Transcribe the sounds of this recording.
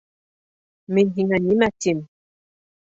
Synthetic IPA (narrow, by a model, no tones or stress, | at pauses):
meɲiŋaɲimatim